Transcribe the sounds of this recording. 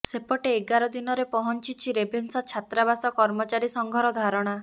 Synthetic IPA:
sepɔʈeːɡaɾɔd̪inɔɾepɔɦɔnt͡ʃit͡ʃʰiɾebʱensat͡ʃʰat̪ɾabasɔkɔɾmɔt͡ʃaɾisɔŋɡʱɔɾɔd̪ʱaɾɔɽ̃a

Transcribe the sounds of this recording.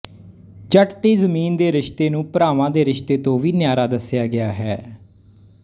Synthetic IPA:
d͡ʒəʈt̪eːzəmiːnd̪eːɾɪʃt̪eːnũːpəɾaːʋãːd̪eːɾɪʃt̪eːt̪õːʋiːnɪjaːɾaːd̪əsjaːɡɪaːɦɛː

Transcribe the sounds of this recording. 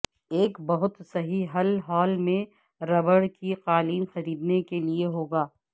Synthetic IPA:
eːkbɐɦʊt̪sɐɦiɦɐlɦaːlmẽ | ɾɐbəɽkiqaːliːnxɐɾiːd̪nekelieɦoːɡaː

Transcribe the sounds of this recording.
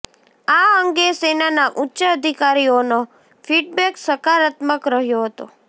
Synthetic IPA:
aəŋɡesenanaʔutːʃəːd̪ʱikaɾiono | fiɖ̚bɛksəkaɾat̪məkɾəɦjoɦət̪o̰

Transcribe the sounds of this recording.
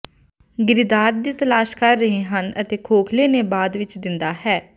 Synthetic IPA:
ɡɪɾɪd̪aːɾd̪iːt̪əlaːʃkəɾːəɦẽːɦənə̰t̪eːkʰoːkʰleːneːbaːd̪ʋɪt͡ʃd̪ɪnd̪aːɦɛː

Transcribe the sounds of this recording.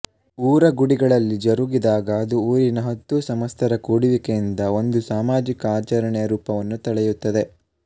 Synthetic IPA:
uːɾɐɡuɽiɡɐɭɐlːid͡ʒɐɾuɡid̪aːɡɐːd̪uuːɾinɐɦɐt̪ːusɐmɐst̪ʰɐɾɐkuːɽiʋikejind̪ɐo̞nd̪usaːmaːd͡ʒikɐaːt͡ʃɐɾɐɳɛjɐɾuːpɐʋɐnːut̪ɐɭɛjut̪ːɐd̪e̞

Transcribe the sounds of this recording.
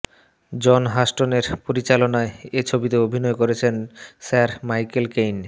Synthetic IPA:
d͡ʑɔnɦaʃʈoneɾpoɾit͡ɕalonaeet͡ɕʰobit̪eobʱinɔekoɾet͡ɕʰensaɾmajkelkejn

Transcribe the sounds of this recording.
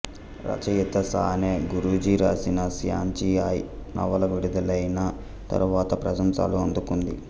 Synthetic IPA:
ɾɐ̰t͡ʃɐjut̪ːɐsaːneːɡuɾud͡ʒiɾaːsinɐsja̰ːnt͡ʃiaːjnʔɐ̰ʋɐlɐʋuɽid̪ɐlɐjnɐ | t̪ɐ̰ɾuʋaːt̪ɐpɾɐsɐmsa̰ːluɐnd̪ukund̪ḭ

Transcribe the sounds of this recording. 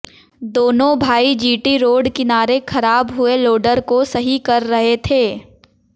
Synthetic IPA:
d̪oːnõbʱaːid͡ʒiːʈiɾoːɖkɪnaːɾekʰɐɾaːbɦʊeloːɖəɾkosɐɦikɐɾːɐɦet̪ʰeː

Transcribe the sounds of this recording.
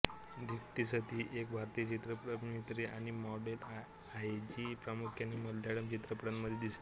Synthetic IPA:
d̪ʱikt̪isət̪iːʔek̚bʱaɾt̪iːjət͡ɕit̪ɾəpɾəmit̪ɾiaɽ̃imɔɽel | ajd͡ʑiːpɾamukʰjanːiməlːaɽəmt͡ɕit̪ɾəpəɽənməd̪ʱjed̪ist̪e̥

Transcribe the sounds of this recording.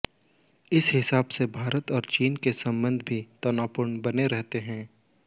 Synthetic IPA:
ɪsɦɪsaːbsebʱaːɾət̪ɔːɾt͡ʃiːnkesɐ̃mbə̃nd̪ʱbʱit̪ɔnaːpʊɾɳbɐneɾɛɦt̪eɦɛ̃ː

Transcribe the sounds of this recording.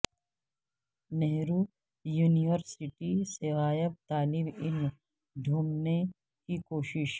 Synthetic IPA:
neɦɾu | juːniʋəɾsɪʈiseʋaːjəb̚t̪aːlɪbɪlm | ɖʱuːmne | kikoːʃɪʃ

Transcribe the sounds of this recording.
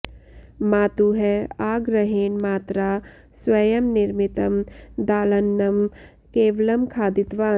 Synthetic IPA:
maːt̪uɦɛaːɡɾɐɦeːnmaːt̪ɾaː | swɐjəmnɪɾmɪt̪əmd̪aːlɐnːɐm | keːʋələmkʰaːd̪ɪt̪ʋaː

